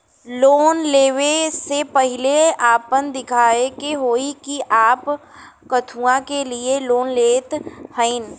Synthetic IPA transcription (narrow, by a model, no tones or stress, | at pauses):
loːnleːʋesepɐɦɪleaːpənd̪ɪkʰaːekeɦoːikiʔaːpkɐt̪ʰuːãkelieloːnleːt̪hə̃in